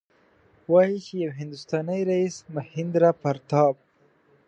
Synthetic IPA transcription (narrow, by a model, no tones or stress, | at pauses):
wɑjit͡ʃejawɦɪnd̪ʊst̪ɑnajɾaismahɪnd̪ɾapaɾt̪ɑb̚